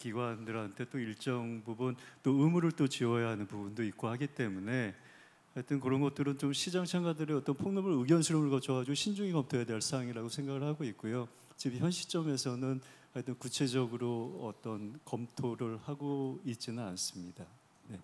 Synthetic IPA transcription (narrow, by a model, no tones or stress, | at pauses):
kiɡwandɯɾɦantʰe̞t͈oiɭt͡ɕ͈ʌŋbubunt͈oɯmuɾɯɭt͈ot͡ɕiʌjaɦanɯnpubundoik̚k͈ohaɡit͈e̞mune̞ | haɭt͈ɯnkɯɾʌnɡʌt͈̚ɯɾɯnt͡ɕomɕʰid͡ʑaŋt͡ɕʰaŋɡadɯɾeʌt͈ʌnpʰoŋnʌmɯɾɯɡjʌnsʰɯɾʌmɯɭkʌt͡ɕʰʌɡad͡ʑiɡoɕʰind͡ʑuŋikʌmtʰojadeʌs͈aŋiɾaɡosʰe̞ŋɡaɡɯɭhaɡoik̚k͈ujo | t͡ɕipçjʌnɕʰi̥t͡ɕ͈ʌme̞sʰʌnɯn | aɭt͈ɯnkut͡ɕʰe̞d͡ʑʌɡɯɾoʌt͈ʌnkʌmtʰoɾɯɭhaɡoit̚t͡ɕ͈inɯnans͈ɯmɲida | ne̞